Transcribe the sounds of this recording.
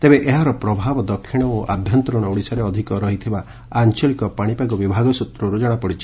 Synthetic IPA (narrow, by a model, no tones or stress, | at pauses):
t̪ebeʔeɦaɾɔpɾɔbʱabɔd̪ɔkʰːiɽ̃ɔoʔa̰bʱjɔnt̪ɾɔɽ̃ɔuɽisaɾeɔd̪ʱikɔɾɔɦit̪ʰibaː | nt͡ʃɔlikɔpaɽ̃ipaɡɔbibʱaɡɔsut̪ɾɔɾud͡ʒaɽ̃apɔɽit͡ʃʰi̥